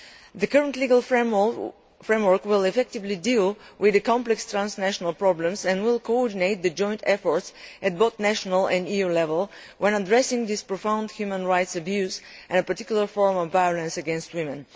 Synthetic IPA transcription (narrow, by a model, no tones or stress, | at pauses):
ðəkəɹə̃ntliɡəlˠ | fɹẽɪ̃mwəɹkwɪlˠɛfɛk̚tɪvlidilˠwɪðəkɑ̃mplɛkstɹãnsnæʃɔnəlˠpɹɔblə̃msɛ̃ndwɪlˠkoɔɹdineɪt̪̚ðɨd͡ʒɔ̃ɪ̃ntɛfɔɹtsɨt̚boʊθnæʃɔnəlˠɛ̃ndijulɛvəlˠ | wʔɛ̃nədɹɛsɪ̃ŋðɪspɹɔfãʊ̃ndhjʉmə̃nɹaɪtsɨbjʉzʔɛ̃nəpə˞tɪ̥kjul̩ˠə˞fɔɹmɔvːajɔlə̃nsəɡɛ̃nst̚wɪ̃mɨ̃n